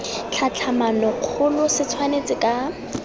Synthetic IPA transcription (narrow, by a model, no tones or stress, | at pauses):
t͡ɬʰat͡ɬʰamanɔq͡χʰʊlʊsɪt͡sʰwanet͡sʼɪkʼa